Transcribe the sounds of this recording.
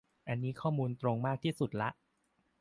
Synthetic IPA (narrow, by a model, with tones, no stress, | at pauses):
ʔa˧nːiː˦˥kʰɔː˥˩muː˧nt̪ɾo˧ŋmaː˥˩k̚t̪ʰiː˥˩su˨˩t̪̚la˦˥ʔ